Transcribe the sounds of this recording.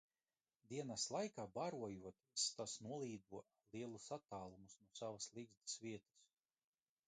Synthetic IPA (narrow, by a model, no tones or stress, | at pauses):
d̪iɛnaslˠajkaːbaɾuɔjuɔt̪ist̪asnuɔlˠiːd̪uɔ | liɛlˠusat̪aːlˠumusnuɔsavaslˠiɡzd̪ɨsviɛt̪ɐ̥s